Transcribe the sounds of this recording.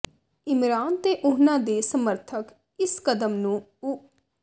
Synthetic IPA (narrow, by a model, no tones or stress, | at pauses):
ɪmɾaːnt̪eːʔʊɦnãːd̪eːsəməɾt̪ʰək | ɪskəd̪əmnũː